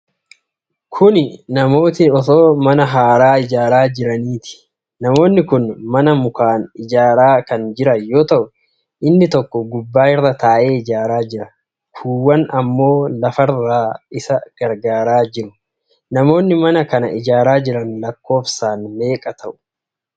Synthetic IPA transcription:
kʰʊnɪnɐmo̞ːt̪ɪɔt̪o̞ːmɐnɐɦaːɾaːɪd͡ʒaːɾaːd͡ʒɪɾɐniːt̪ɪ̥ | nɐmo̞ːnːɪkʊnmɐnɐmʊkaːnɪd͡ʒaːɾaːkɐnd͡ʒɪɾɐjo̞ːt̪ɐʔʊ | ʔɪnːɪt̪ɔkːɔɡʊbːaːɪrːɐt̪aːʔe̞ːɪd͡ʒaːɾaːd͡ʒɪɾɐ | kʰuːwːɐnɐmːo̞ːlɐfɐraːɪsɐɡ̥ɐɾɡaːɾaːd͡ʒɪɾʊ̥ | nɐmo̞ːnːɪmɐnɐkɐnɐ̰ɪd͡ʒaːɾaːd͡ʒɪɾɐnlɐkːo̞ːfsaːnme̞ːkʼɐt̪ʰɐʔʊ̥

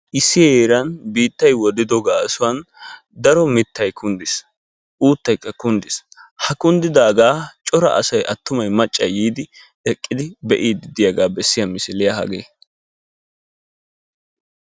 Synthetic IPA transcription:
ʔɪsːɪjeːɾɐnbiːt̪ːɐjwɔd̪ɪd̪ɔɡaːsʊwɐn | d̪ɐɾɔmɪt̪ːɐjkʰʊnd̪ɪs | ʔuːt̪ːɐjkːɐkʊnd̪ɪshɐkʊnd̪ɪd̪aːɡaːt͡ʃʼɔɾɐ̰ʔɐ̰sɐjʔɐt̪ːʊmɐjmɐt͡ʃʼːɐjiːd̪ɪ | ɛkʼːɪd̪ɪbɛʔiːd̪ɪd̪ɪjɐɡaːbɛsːɪjɐmɪsɪlɪjɐhɐ̰ɡeː

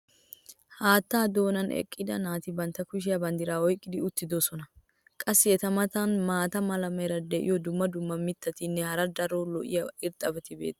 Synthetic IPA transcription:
haːt̪ːaːd̪o̞ːnɐnʔɛ̰kʼːɪd̪ɐ̰naːt̪ɪbɐnt̪ːɐkʊʃ̬ɪjɐbɐnd̪ɪɾaːwɔjkʼːɪd̪ɪʊt̪ːɪd̪osɔnɐ | kʼɐsːɪjɛt̪ɐmɐt̪ɐnmaːt̪ɐmɐlɐmɐjɾɐd̪ɛʔɪ̰jɔd̪ʊmːɐd̪ʊmːɐmɪt̪ːɐt̪ɪnːɛhɐɾɐd̪ɐɾolɔʔɪ̰jɐɪɾt̪ʼːɐbɛt̪ɪbḛːt̪ʼːɐ̥

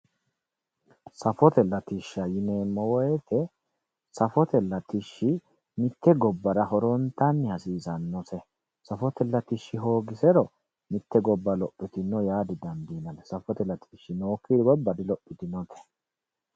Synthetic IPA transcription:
sɐfɔt̪ɛlːɐt̪ɪʃːɐjɪneːmːɔwɔɛt̪ʰɛ | sɐfɔt̪ɛlːɐt̪ɪʃːɪ | mɪt̪ːɛɡɔbːɐɾɐhɔɾɔnt̪ːɐnːɪhɐsiːzɐnːɔsɛ | sɐfɔt̪ɛlːɐt̪ɪʃːɪɦo̞ːɡɪsɛɾɔ | mɪt̪ːɛɡɔbːɐlɔʔːɪt̪ɪnːɔjaːd̪ɪd̪ɐnd̪iːnɐnsɐfɔt̪ɛlɐt̪ʰɪ̥ʃːɪnoːkːiːd̪ɡɔbːɐd̪ɪlɔʔːɪt̪ɪnɔt̪ʰɛ̥

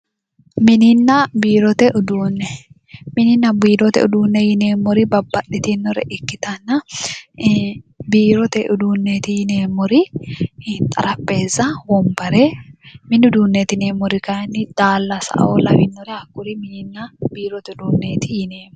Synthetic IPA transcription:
mɪnɪnːɐbiːɾɔt̪ɛʔʊd̪uːnːɛ | mɪnɪnːɐbiːɾɔt̪ɛ̰ʊ̰d̪uːnːɛjɪneːmːɔɾɪbɐbːɐɗɪt̪ɪnːɔɾɛ̰ʔɪkːɪt̪ɐnːɐ | biːɾɔt̪ɛʔʊd̪uːnːeːt̪ɪjɪneːmːɔɾɪ | t̪ʼɐɾɐpːeːzːɐwɔmbɐɾemɪnːʊd̪uːnːeːt̪ɪneːmːɔɾɪkɐɐnːɪd̪̥aːlːɐsɐ̰ʔɐ̰olɐwɪnːɔɾɛɐkːʊɾɪmɪnɪnːɐbiːɾɔt̪ɛʊd̪uːnːeːt̪ɪjɪne̞ːmɔ

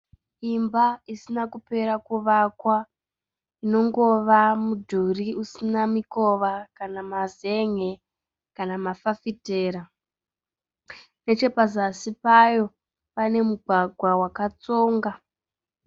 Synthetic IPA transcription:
imbaisinakupe̞ɾakuʋakwa | ino̞ŋɡo̞ʋamudʱuriusinamiko̞ʋakanamaze̞ŋe̞ | kanamafafite̞ːɾa | ne̞t͡ʃe̞pazasipajo̞ | pane̞muɡʱwaɡʱwawakat͡so̞ːŋɡa

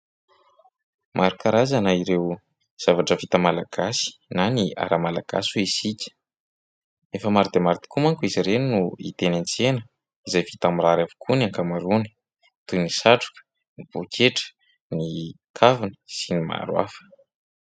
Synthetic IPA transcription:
mʔaɾukaɾazanaiɾew | z̥avaʈ͡ʂəvit̪əmalaɡ̥asi̥nania̰ɾamala̰ɡ̥a̰suisikʲə̥ | efəmaɾid̪emaɾit̪i̥kumaŋkuiziɾeninuḭt̪enant͡senə | izajvit̪amiɾaɾavu̥kʰunaŋkamaɾuni̥ | t̪unisaʈ͡ʂu̥kə̥ | niv̥okʰeʈ͡ʂə̥ | ni | kʰavinə̥sinima̰ɾwa̰fə̥

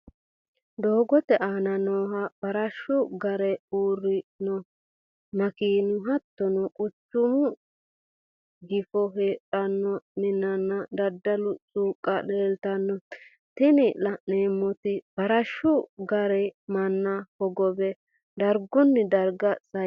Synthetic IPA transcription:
d̪oːɡɔt̪ɛʔaːnɐnoːɦɐb̥ɐɾɐʃʊɡɐɾɛuːrːɪnɔ | mɐkiːnʊɦɐt̪ːɔnɔkʼʊt͡ʃːʊmʊ | ɡɪfɔɦeːʔʼɐnːɔnɪnːɐnːɐd̪ɐd̪ːɐlʊt͡sʼuːkʼːɐleːlt̪ɐnːɔ | t̪ɪniːlɐneːmːɔt̪ɪb̥ɐɾɐʃːʊɡɐɾɛmɐnːɐhɔɡɔbɛ | d̪ɐɾɡʊnːɪd̪ɐɾɡɐsɐ

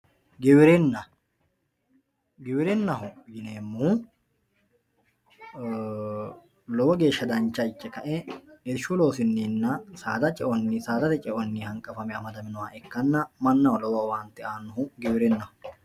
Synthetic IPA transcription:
ɡɪwɪɾɛnːɐ | ɡɪwɪɾɛnːɐɦʊjɪneːmːu | lɔwɐɡe̞ːʃːɐd̪ɐnt͡ʃːɐɪt͡ʃːɛkɐʔɛɛʃːulo̞ːsɪnːiːnːɐsaːd̪ɐt͡ʃʼɛʔɔnːisaːd̪ɐt̪ɛt͡ʃʼɛʔɔnːihɐŋkʼːɐfɐmɛɐmɐd̪ɐmɪnʊwaːʔɛkːɐnːɐmɐnːɐwʊlɔwɐwaːnt̪ːɪaːnːʊɦʊɡɪwɪɾɛnːɐhʊ

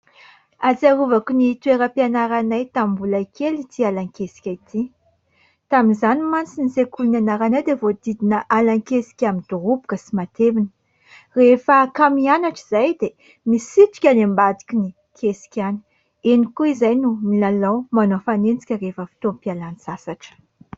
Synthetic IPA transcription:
aziaɾuvakinit̪ueɾəpianaɾanajt̪ammbulajkelit̪ʰialaŋkesi̥kʲait̪ʰi | t̪aminzanimant͡sinizekulunanaɾanajd̪evod̪id̪inəʔalaŋkesi̥kʲamind̪̥uɦupu̥kəsimat̪eminə | refəkamianaʈ͡ʂiz̥ajd̪e | misit̪i̥kʲənambad̪ikʲini | kʰesi̥kʲani̥ | enikuizajnumilalawmanofanent͡si̥kʲərefəfi̥t̪ompialanisasaʈ͡ʂə̥

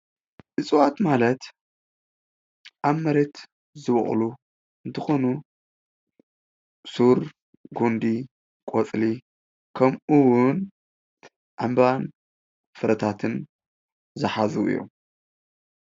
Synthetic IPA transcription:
ʔɨt͡sʼɨwat̪malɐt̪ | ʔaβmɐɾe̞t̪ | zɨβɨ̰χʼlu | ʔɨnt̪ʰɨxo̞nu | suɾ | ɡond̪i | kʼot͡sʼli | kʰɐmuwʊn | ʔambβan | fɨɾɐt̪ʰat̪ʰɨn | zɨħazṵʔɨ̰jːo̰m

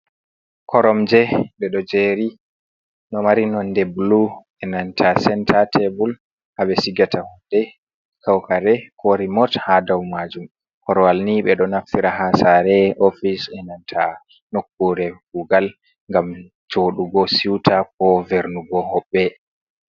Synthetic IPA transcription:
kʰɔɾɔmd͡ʒɛɓɛɗɔd͡ʒeːɾi | nɔmaɾinɔndɛblu | ɛnantʰasɛntʰatʰɛbul | ʔaɓɛsiɡatʰahɔndɛ | kʰawkaɾɛkʰoɾimɔthadawmad͡ʒum | kɔɾɔwalniɓɛɗɔnafiɾaɦasaɾɛʔofisɛnantʰa | nokːuɾɛɡuɡal | ŋɡam | d͡ʒoːɗuɡɔsiwtʰak̚ɔvɛɾnuɡɔɦɔɓːɛ

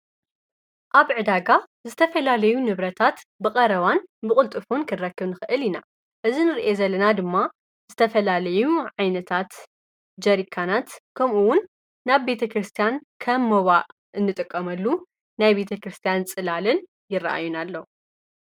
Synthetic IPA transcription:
ʔaβʕɨd̪aɡa | zɨt̪ʰɐfɐlalɐjunɨβɾɐt̪ʰat̪bɨkʼɐɾɐβanbɨχʼɨlt̪ʼɨfunkʰɨnɾɐkːɨβnɨxɨʔɨlina̰ | ʔɨzinɨɾiʔezɐlːɐnad̪ɨmːa | zɨt̪ʰɐfɐlalɐjuʕajnɐt̪ʰat̪ | d͡ʒɐɾikʰːanat̪kʰɐmʔuwʊnː | aβbe̞t̪ʰɐkɾɨst̪ʰijankʰɐmːɐβaʔ | ʔɨnːɨt̪ʼɨkʼːɐmɐlːu | najbe̞t̪ʰɐkɾɨst̪ʰijant͡sʼɨlalɨn | jɪrːɐ̰ʔa̰jːunalːɐ

